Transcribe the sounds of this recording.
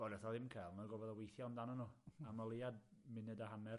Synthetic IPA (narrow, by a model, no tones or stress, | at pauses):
bɔlɔθaðɪmkʰajlˠnaɡɔvɔðəwejθjɔmdanɔnɔːamalˠejadmɪnɛdaɦanɛr